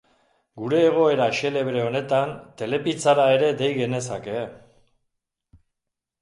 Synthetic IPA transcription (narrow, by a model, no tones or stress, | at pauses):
ɡuɾe̞ːɣ̞o̞e̞ɾaʃe̞le̞βɾe̞o̞ne̞t̪ant̪e̞le̞pit͡saɾae̞ɾe̞d̪e̞jɣe̞ne̞sake̞